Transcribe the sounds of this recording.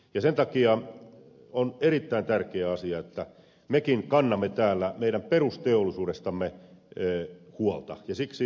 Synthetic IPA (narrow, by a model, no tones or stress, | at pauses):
jɑsent̪ɑkiɑ | oneɾit̪ːæint̪ærkeæɑsiɑet̪ːæ | mekiŋkɑnːɑmːet̪æːlːæmeiɾæmperust̪eolːˑisuːdest̪ɑmːeː | huolt̪ɑ̰jɑsiksi